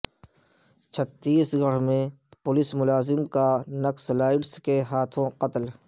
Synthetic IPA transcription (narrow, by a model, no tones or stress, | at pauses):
t͡ʃʰət̪ːiːsɡɐɽmẽpʊlɪsmʊlaːzɪmkanɐkslaːɪʈskeɦaːt̪ʰõqɐt̪l